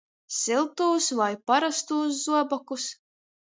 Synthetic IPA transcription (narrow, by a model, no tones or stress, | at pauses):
sʲilˠt̪uːsvajpaɾast̪uːs̬zuɔbɔkus